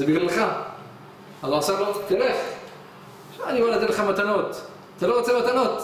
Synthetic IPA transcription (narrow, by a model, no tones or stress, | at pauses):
zebivlilχa | azoasaʁlot̪eleχ | ʃaanibalad̪id̪leχamat̪anot̪ | t̪aloʁot͡semat̪anot̪